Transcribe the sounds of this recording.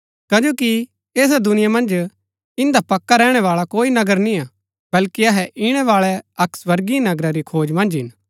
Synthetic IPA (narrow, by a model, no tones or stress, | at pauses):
kɐd͡ʒoːki | eːs̬ad̪ʊnɪjamɐ̃nd͡ʒ | ɪ̃nd̪apɐkːaɾɛːɽ̃ɛʋaːɭakoːinɐɡəɾnĩaː | bɐlkiɐɦɛʔɪɽ̃ɛʋaːɭɛɐksʋɐɾɡinɐɡɾaɾikʰoːd͡ʒmɐ̃nd͡ʒɦɪn